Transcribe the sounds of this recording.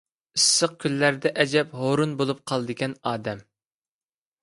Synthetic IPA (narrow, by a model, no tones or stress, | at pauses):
isːəq̚kʲʰylːæɾd̪ɛʔɛd͡ʒɛpɦoɾunbolˠup̚qʰɑlˠɨd̪ɨɡʲɛnɑːd̪ɛm